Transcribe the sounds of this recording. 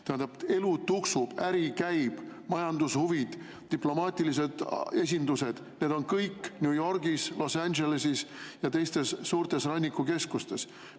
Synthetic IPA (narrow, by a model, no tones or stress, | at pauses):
t̪eænd̪ɑbe̞lut̪uksub̥æɾikæjb̥mɑjɑnd̪̥ushuvid̪̥ | t̪ːiplo̞mɑːt̪ʲilis̬e̞d̪̥e̞s̬ʲind̪use̞d̪̥ne̞d̪o̞nkɤjkˑːnʲjuːjo̞rɡ̥islo̞sænʲʒe̞lesisjɑt̪e̞jst̪e̞sːuːɾt̪e̞srɑnʲːikːˑuke̞skust̪e̞s